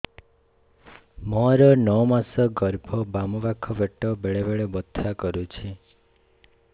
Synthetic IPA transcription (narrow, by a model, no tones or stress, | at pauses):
mɔɾɔnɔmasɔɡɔɾbʱɔbamɔbakʰːɔbeʈɔbeɭebeɭebɔt̪ʰːakɔɾut͡ʃʰi